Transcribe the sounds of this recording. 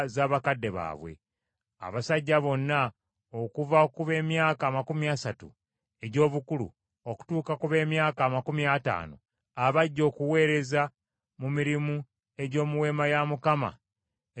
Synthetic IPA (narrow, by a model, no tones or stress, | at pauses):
zaːβakadːe̞βa̰ːβwe̞̰ | a̰βasaɟːaβo̞nːa | okuvakuβe̞ːmjaːkaːmakumiasatṵ | e̞ɟo̞ːβukulṵ | o̞ku̥tuːkakuβe̞ːmjaːkaːmakumiata̰ːno̰ | aβaɟːo̞ːkuwe̞ːɾe̞za | mumiɾimu | e̞ɟo̞ːmuwe̞ːmajamukama̰